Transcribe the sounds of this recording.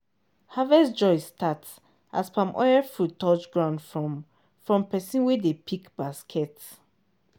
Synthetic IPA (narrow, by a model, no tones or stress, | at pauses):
havɛsd͡ʒɔɪstʰats | ʔa̰spʰãmʔɔ̰ɪɛfutɔt͡ʃɡɹãʊ̃ndfɹɔm | fɹɔ̃mpɛsĩnwɛdepʰikb̥askʰɛt